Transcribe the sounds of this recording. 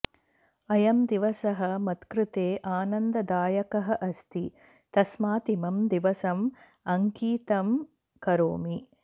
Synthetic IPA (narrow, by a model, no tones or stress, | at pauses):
ɐjɐmd̪iʋɐsɐɦɐmɐt̪kɾɪt̪eːʔaːnɐnd̪ɐd̪aːjɐkɐɦɐʔɐst̪i | t̪ɐsmaːt̪imɐmd̪iʋɐsɐm | ɐŋkiːt̪ɐm | kɐɾoːmi